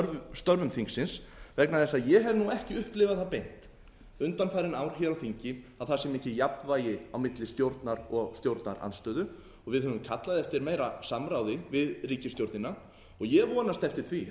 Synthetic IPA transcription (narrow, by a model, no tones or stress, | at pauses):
st̪œɾvʏmθiŋksːɪnsvɛknaðθɛsːaðjɛɦɛɾnuɛhcɪʏhplɪvaðθapejn̥t̪ | ʏnt̪anfajɾɪnaːwɾ̥çɛɾawθiɲcɪaðθasɛmɛhcɪjapvaːjɪawmɪt̪lɪst̪jowɾt̪naɾɔɣst̪jowɾt̪na̰ɾʔa̰nst̪œːðʏ | ɔɣvɪðɦœvʏmkʰat̪laðɛft̪ɪɾmeːjɾasamɾaːwðɪvɪðriːcɪst̪jowɾt̪nɪna | ɔɣjɛvɔːnast̪ɛft̪ɪɾ̥θvi